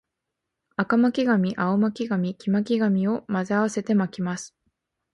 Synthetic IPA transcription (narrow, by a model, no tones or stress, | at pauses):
akamakʲiɡamʲiʔaomakʲiɡamʲikʲimakʲiɡamʲio̞mazɨaβase̞t̪e̞makʲimasɨ̥